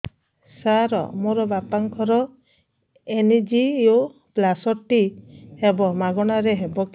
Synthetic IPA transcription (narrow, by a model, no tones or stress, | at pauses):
saɾɔ̰moɾɔbapaŋkʰɔɾɔ | enid͡ʒio | plasɔʈihebɔmaɡɔɽ̃aɾeɦebɔk